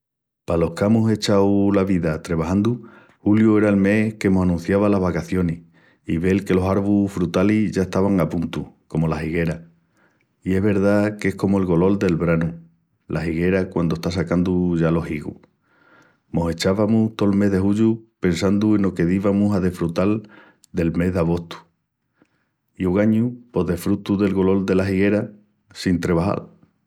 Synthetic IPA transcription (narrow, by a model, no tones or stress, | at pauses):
palo̞hkamuse̞t͡ʃawlaβiðat̪ɾeβaɦãnd̪u | huljue̞ɾae̞lme̞hke̞mosanũn̟θjaβalaɦβakaθjo̞nih | iβe̞lke̞lo̞saɾβufɾut̪aliʝaeht̪aβaŋapunt̪uko̞mo̞laɦiɣe̞ɾa | ie̞ɦβe̞ɾðake̞hko̞moe̞lɣo̞lo̞ld̪e̞lβɾanu | lʔahiɣe̞ɾakwand̪oe̞ht̪as̬akand̪uʝalo̞hiɣṵ | mo̞se̞t͡ʃaβamut̪o̞lme̞ɦðe̞huʎupe̞nsand̪ue̞no̞ke̞ðiβamusaðefɾut̪al | d̪e̞lme̞ɦðeaɣ̞o̞ht̪u̥ | iuɣaɲupo̞ðe̞fɾut̪uðe̞lɣo̞lo̞ld̪e̞laɦiɣe̞ɾa | sint̪ɾe̞βaha̰l